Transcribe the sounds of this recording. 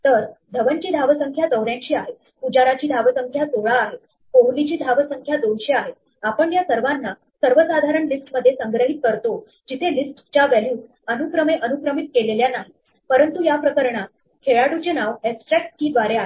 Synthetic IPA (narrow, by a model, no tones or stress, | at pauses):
t̪əɾd̪ʱəʋənt͡ɕiːd̪ʱaʋəsəŋkʰjat̪əʋɾjãɲt͡ɕiːaɦet̪ | pud͡ʑaɾat͡ɕiːd̪ʱaʋəsəŋkʰjat̪oɭaːɦe | koʋlit͡ɕiːd̪ʱaʋəsəŋkʰjad̪onɕeaɦet̪ | apəɳjasəɾʋanːa | səɾʋəsad̪ʱaɾəɳlisʈməd̪ʱːjesəŋɡɾəɦit̪̚kəɾt̪o | d͡ʑit̪ʰelisʈt͡ɕaʋæljuːs | ənukɾəmeʔənukɾəmit̪̚keleljanaɦi | pəɾənt̪ujapɾəkəɾɳa | kʰeɭaʈut͡ɕenaʋeksʈɾɛk̚ʈ̚kiːʋaɾeaɦe